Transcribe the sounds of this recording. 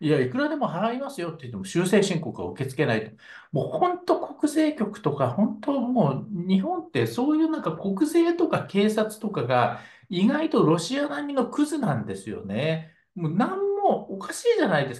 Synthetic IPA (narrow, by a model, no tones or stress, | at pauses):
jaikɯ̟ɾad̪e̞mo̞ɦaɾaimasɨjo̞t̪ːei̟t̪ːe̞moɕɨːse̞ːɕĩŋko̞kaa̰ɯ̟ke̞t͡sɨ̥ke̞nait̪o | moːhõ̞nt̪o̞ko̞kɯ̟ze̞ːkʲo̞kɯ̟̥t̪o̞kahõ̞nt̪o̞moːɲ̟ihõ̞nt̪ːe̞so̞ːjɯ̟ːnãŋkako̞kɯ̟ze̞ːt̪o̞kake̞ːsat͡sɨ̥t̪o̞kaɡa | iɡait̪o̞ɾo̞ɕianaɲ̟ʲːinɡokɯ̟zɨnãnd̪e̞sɨjo̞̰ne̞ | monãmːo̞ːkaɕiːʑanaid̪e̞s